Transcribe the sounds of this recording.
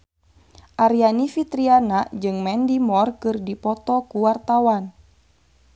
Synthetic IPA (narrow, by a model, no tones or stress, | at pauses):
ʔaɾjanifit̪ɾianad͡ʒɨŋmɛndimɔrkɨrdipɔt̪ɔkuwart̪awan